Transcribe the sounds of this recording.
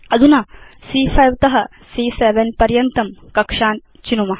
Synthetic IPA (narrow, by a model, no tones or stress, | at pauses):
ɐd̪unaːsiːfʰɐjʋt̪ɐɦɐ | siːseːʋenpɐɾjɐnt̪ɐmkɐkʂaːn | t͡ʃinumɐɦ